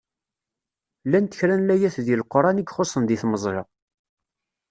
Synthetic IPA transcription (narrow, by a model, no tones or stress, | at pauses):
lːænt̪əçɾænlæjæθðilqːoɾˤɑniɡχosˤːənd̪iθməzˤɾɑ̰